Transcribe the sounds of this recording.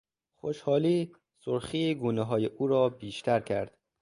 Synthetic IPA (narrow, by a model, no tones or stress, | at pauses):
xoʃhɒːliː | soɾxiːɡuːneɦɒːjeʔuːɾɒːbiːʃt̪ʰæɾcʰæɾd̪̥